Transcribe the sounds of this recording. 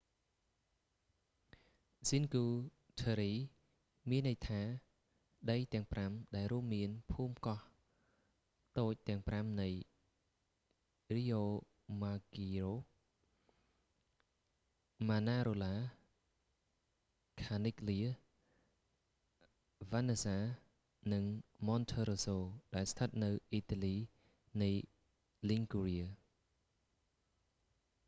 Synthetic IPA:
sinkuː | t̪ʰəɾiː | miənːɨjt̪ʰaː | ɗəjt̪ɛ̆əŋpramɗaɛlruəmːiənpʰuːmkɑh | t̪oːc̚t̪ɛ̆əŋpramnɨj | riːʔoː | maːkiroː | maːnaːɾoːlaː | kʰaːnikliə | ʋanesaː | nɨŋmɔnt̪ʰəɾosoːɗaɛlst̪ʰət̪̚nɨwʔiːt̪aliː | nɨj | liŋkuriə

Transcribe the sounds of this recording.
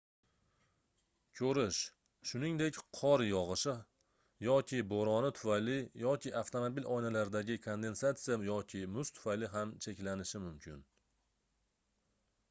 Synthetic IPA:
kʲʰɵɾɪʃ | ʃʊnɪŋd̪e̞kʲqʰɒɾjɒʁɨʃɪ | jɒkʲʰɪboɾɒnɪt̪ʰʊ̥fajlɪjɒkʲʰɪʔaft̪ʰomobilʔɒjnalaɾd̪aɡʲɪkʰond̪e̞nsat̪sɨjajɒkʲʰɪmʊst̪ʰʊ̥fajlɪɦamt͡ʃʰe̞kʲlanɪʃɪmʊmkʲʰɪn

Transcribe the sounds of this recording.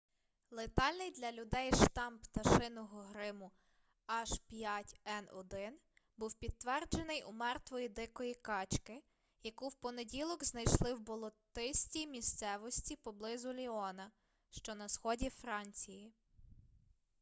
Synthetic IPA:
lˠet̪ɑlʲnɪjd̪lʲɐlʲʊd̪ɛjʃt̪ɑmpt̪ɐʃɪnɔɦɔɦɾɪmʊ | ɑʒpʲjatʲɛnɔ̰d̪ɪn | buwpʲid̪̚tːʋɛrd͡ʒenɪjʔumɛrt̪ʋɔjid̪ɪkɔjikɑt͡ʃkɪ | jɐkuwpɔnedʲilˠɔɡznɐjʃlˠɪwbɔlˠɔt̪ɪsʲtʲijmʲist̪sɛʋɔsʲtʲipɔblˠɪzʊlʲiɔnɐ | ʃt͡ʃɔnɐsxɔdʲifɾɑnʲt͡sʲiji

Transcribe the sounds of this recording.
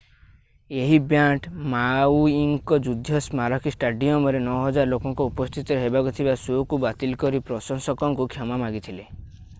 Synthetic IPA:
eɦibjaʈmawiŋkɔd͡ʒud̪ʱjɔsmaɾɔkʰisʈaɖiɔmɔɾenɔɦɔd͡ʒaɾlokɔŋkɔupɔst̪ʰit̪ɔɦebakut̪ʰibasokubat̪ilkɔɾipɾɔsɔŋsɔkɔŋkukʰjɔmamaɡit̪ʰile

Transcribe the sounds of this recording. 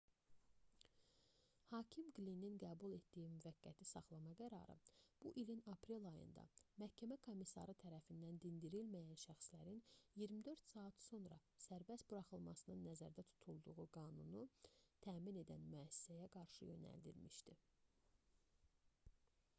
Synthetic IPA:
hɑːcʰimɡlinːinɡæːbulˠe̞t̪d̪ijimyvæɡːæt̪ʰisɑχlˠɑmɑɡæɾɑ̰ɾɯ̰b̥uʔilinɑpʰɾelɑjɯ̰nd̪ɑ̰mæhcʰæmækʰo̞misɑ̰ɾɯt̪ʰæɾæfind̪ænd̪ind̪iɾilmæjænʃæxslæɾinjiɾmid̪ø̞ɾt̪sɑɑt̪so̞nɾɑ̰sæɾbæst̪buɾɑχɯlˠmɑsɯnɯnːæzæ̰ɾd̪æt̪ʰu̥t̪ʰulˠd̪uʁuɡɑːnunut̪ʰæːmine̞d̪ænmyæsi̥sæjæɡɑɾʃɯ̰jø̞̰næ̰ld̪ḭlmiʃd̪i

